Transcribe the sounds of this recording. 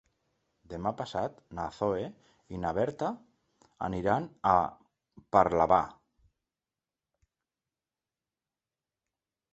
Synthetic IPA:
d̪emapasat̪naθoe | inaβɛɾt̪a | a̰niɾana | paɾlaβa̰

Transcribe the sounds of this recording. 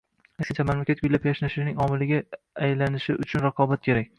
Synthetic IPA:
asʲɪnt͡ʃʰamamlakʲat̪̚ɡʊlapjaʃnaʃɪnɪŋɒmɪlɪɡʲa | ajlanɪʃɪʔʊt͡ʃʰʊnɾaqʰɒbat̪̚kʲʰe̞ɾak̚ʲ

